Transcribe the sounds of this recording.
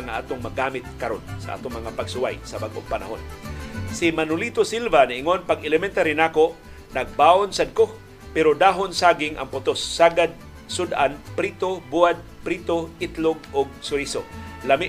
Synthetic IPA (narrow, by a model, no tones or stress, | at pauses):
ŋaʔa̰ːt̪oŋmɐɡaːmɪt̪̚kɐɾonsa̰ʔa̰ːt̪oŋmɐŋapɐɡsʊwa̰jsɐbaɡʔo̰ŋpɐna̰ɦonsɪmanʊlit̪osilvanɪʔɪŋonpaɡɛlɛmɛnt̪aɾɪnaːkoʔ | nɐɡ̚baːonsad̪̚ko | pɛɾod̪aːɦonsaːɡɪŋʔɐ̰ŋpʊt̪osːaːɡad̪̚ | sʊd̪ʔanpɾit̪obuad̪̚pɾit̪oɪt̪loɡ̚ʔʊɡ̚sʊɾisolamɪʔ